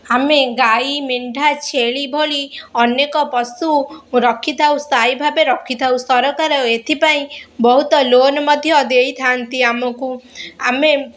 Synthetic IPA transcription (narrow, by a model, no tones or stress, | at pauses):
ameɡaimeɳɖʱat͡ʃʰeɭibʱoɭiɔnekɔpɔsuɾɔkʰit̪ʰawsajbʱabeɾɔkʰːit̪ʰawsɔɾɔkaɾɔet̪ʰipaĩbɔɦut̪ɔlonɔmɔd̪ʱjɔd̪ejt̪ʰant̪iamɔkuame